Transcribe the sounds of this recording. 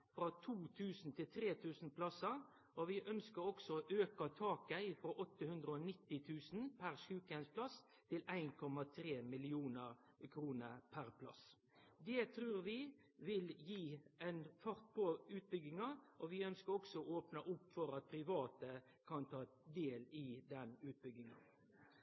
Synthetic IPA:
fʁɑt̪ʰuːt̪ʰʉːsn̩t̪ʰɪlt̪ʰɾeːt̪ʰʉːsn̩pʰlɑsə | ɔʋɪʔœnskəɾɔksɔʔøːkɑt̪ʰɑːkæɪfɾɔʔɔt̪ːəhʉnd̪ʁəɔnɪt̪ːɪt̪ʰʉːsn̩pʰæʁʃʉːkɛnspʰlɑs | t̪ʰɪlæɪnkʰɔmɑt̪ʰɾeːmɪlɪuːnəɾ | kʰɾuːnəpʰæɾpʰlɑ̰s | d̪ɛt̪ʰɾʉːɾʋɪ | ʋɪljiːæɪnfɑʁt̪̚pʰɔʉːt̪̚bʏɡɪŋɑʔɔʋɪœnskəɾɔksɔooːpnɑʔʊpːfɔɾɑt̪̚pʰɾɪʋɑːt̪ə | kʰɑnt̪ʰɑːd̪eːlɪd̪ɛnʉːt̪̚bʏɡɪŋɑ̰

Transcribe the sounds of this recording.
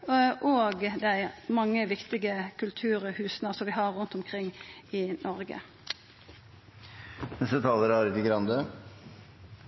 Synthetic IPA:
ʔoːɡd̪æɪmɑŋːəʋɪkt̪ɪɡəkʰʉlt̪ʰʉːʁhʉːsnəsɔmʋɪɦɑʁːʉnt̪ɔmkʰʁɪŋːɪnʔɔɾɡə̰ | nɛst̪ət̪ʰɑːləɾɑɾɪt̪ɪɡɾɑnd̪ə

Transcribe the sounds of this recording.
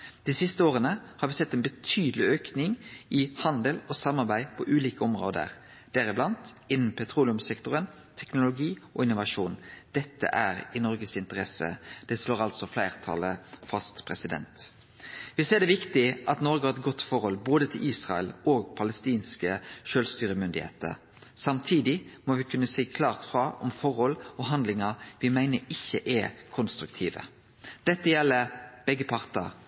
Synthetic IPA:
d̪̥iːsɪst̪əoːʁənəhɑɾʋɪsɛt̪ːɛːnbət̪ʰyːd̪əlɪøːknɪŋʔɪhɑnd̪əlosɑmːɑʁbæɪpʰɔʔʉːliːkəɔmʁo̰ːd̪ə̰ʁ | d̪̥æɾɪblɑnt̪ɪnn̩pʰɛt̪ʰɾuːlɪʉmsɛkt̪ʊʁən | t̪ʰɛknʊlʊɡiːʔɔɪnʊʋɑʂuːnd̪̥ɛt̪ːə̰ʔæɾɪnɔɾɡəsɪnt̪əʁɛsə̰d̪̥ɛsloːɾɑlsɔflæɪʁt̪ʰɑ̰ləfɑst̪pʰʁɛsɪd̪ɛ̰nt̪ | ʋɪseːd̪ɛʋɪkt̪ɪʔɑt̪nɔɾɡəɑʁɛt̪̚ɡɔt̪ːfɔɾhɔlboːd̪ət̪ʰɪlʔiːsʁɑəloːɡpʰɑləst̪iːnskəʃøːlst̪yːɾəmʏnd̪ɪhḛːt̪ə̰ʁ | sɑmt̪ʰiːd̪ɪmɔʋɪkʰʉnːəsiːkʰlɑːʁt̪fʁɑʔɔmfɔʁhɔlːɔɦɑnd̪lɪŋɑʋɪmæɪnəɪçːəʔɛkʰɔnst̪ɾʉk̚t̪ʰiːʋə̰ | d̪̥ɛt̪ːəjɛlːəɾb̥ɛɡːəpʰɑʁt̪ə̰ʁ

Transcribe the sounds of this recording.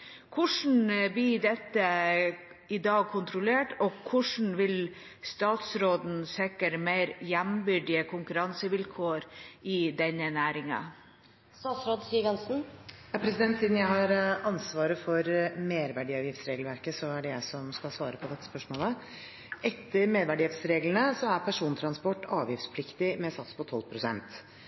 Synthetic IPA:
kʰʊʂn̩b̪ɪd̪ɛt̪ːə | ɪd̪ɑːɡ̚kʰʊnt̪ɾʊleːʈɔkʰʊʂn̩ʋɪl | st̪ɑːt̪sɾoːd̪n̩sɛkəɾmeɪɾjæmbʏɖɪəkʰʊŋkʉɾɑnsəʋɪlkʰoːɾʔɪd̪ɛnːənæːɾɪŋɑ̰ | st̪ɑːt̪sɾoːd̪siːɡɑnsn̩jɑpʰɾɛsɪd̪ɛnt̪siːd̪n̩jæɪhɑɾɑnsʋɑːɾəfɔɾmeːɾʋæɖiːɑːʋjɪft̪sɾeːɡlʋæɾkəsɔæɖɛjæɪsɔmskɑlsʋɑːɾəpʰɔd̪ɛt̪ːə̥spœʂmoːlə | ʔɛt̪ːəɾmeːd̪ʋæɖiːɪft̪sɾeːɡlənəsɔæɾpʰæʂuːnt̪ʰɾɑnspɔʈːɑːʋjɪft̪spʰlɪkt̪ɪmɛsɑt̪spʰɔt̪ʰɔlːpʰɾʊsɛ̰nt̪

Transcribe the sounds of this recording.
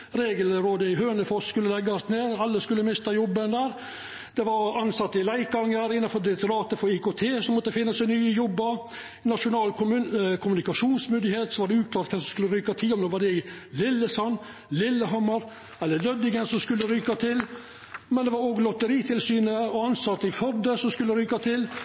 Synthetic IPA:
ɾeːɡəlɾoːd̪əɪɦøːnəfɔsskʉlːəlɛɡːɑsneːɾɑlːəskʉlːəmɪst̪ɑjɔbːənd̪æːɾ | d̪̥ɛʋɑɾɑnsɑt̪ːɪlæɪkɑŋːəɾɪnːɑnfɔɾd̪ɪɾɛk̚t̪ʊɾɑːt̪əfɔɾiːkoːt̪ʰeːsɔmːɔt̪ːəfɪnːəsæɪnyːəjɔbːəɾ | nɑʂʊnɑːlkʰʊmʉnɪkɑʂuːnsmʏnd̪ɪheːt̪sɔʋɑɖɛʉːt̪̚k̪ʰɑːt̪kʰɛsɔmskʉlːəɾyːkɑt̪ʰɪlːɔmnoːʋɑɖɛɪlɪlːəsɔn | lɪlːəɦɔmːɑɾ | ɛlːəlœd̪ɪɡənsɔmskʉlːəɾyːkɑt̪ʰɪl | mɛnd̪ɛʋɑɾoɡlɔt̪əɾiːt̪ʰɪlsyːnəɔɑnsɑt̪ːəɪfœɾd̪əsɔmskʉlːəɾyːkɑt̪ʰɪl

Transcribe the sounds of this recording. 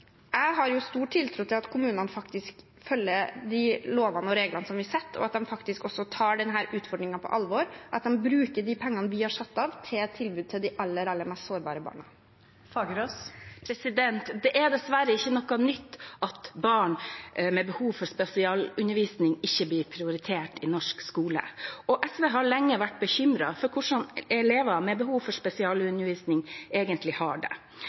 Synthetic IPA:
ʔæɪɦɑɾjʊst̪uːʈʰːɪlt̪ʰɾuːt̪ʰɪlɑt̪kʰʊmʉːnənəfɑkt̪ɪsk | fœlːəɾd̪ɪloːʋɑnəɔɾeːɡlənəsɔmʋɪsɛt̪ʰːɔ̰ɑt̪̚d̪ɛmfɑkt̪ɪskɔsːɔt̪ʰɑːɖɛnɦæːɾʔʉːt̪fɔɖɾɪŋɑpʰɔ̰ʔɑlʋɔɾʔɑt̪̚d̪ɛmbɾʉːkəɖɪpʰɛŋːɑnəʋɪhɑʂɑt̪ːɑːʋt̪ʰet̪ʰɪlbʉːd̪̚t̪ʰɪld̪ɪʔɑlːəɾɑlːəmɛst̪soːɾbɑ̰ːɾəbɑ̰ːɳɑ | fɑːɡəɾospʰɾɛsɪd̪ɛnt̪d̪ɛʔɛd̪ɛsʋæɾəɪçːənɔkɑnʏt̪ːʔɑt̪bɑːɳmɛbəhuːʋfɔɾʂpɛsɪɑːlʉnːəɾʋiːsnɪŋɪçːəbliːɾpʰɾɪʊɾɪt̪ʰeːʈɪnɔʂkskuːlə̰ɔʔɛsʋeːɦɑɭɛŋːəʋæʈ̚ːbəçʏmɾɑfɔɾkʰʊʂɑnɛleːʋɑmɛbəhuːʋfɔɾʂpɛsɪɑːlʉnəɾʋiːsnɪŋeːɡənt̪lɪhɑ̰ːɖɛ̰

